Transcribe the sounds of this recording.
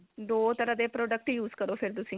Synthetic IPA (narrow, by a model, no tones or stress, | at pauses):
d̪oːt̪əɾəd̪epɾoːɖək̚ʈjuːzkəɾofʰeɾt̪ʊsĩ